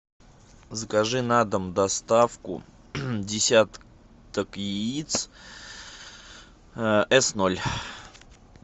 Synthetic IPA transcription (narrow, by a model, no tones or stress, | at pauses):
zəkɐʐɨnad̪əmd̪ɐst̪afkʊ̰ | dʲɪsʲat̪ | t̪əkjɪit̪s | ɛsnolʲ